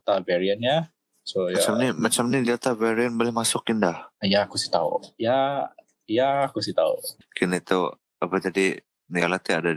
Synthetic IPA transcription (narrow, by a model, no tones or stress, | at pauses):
t̪avɛɾianja | sojat͡ʃamnimat͡ʃamnidiat̪avɛɾiənbolɛhmasʊkindahjaːkusi̥t̪aṵja | jaːkusit̪aṵ | kʰinait̪u | apət̪adi | nialat̪iada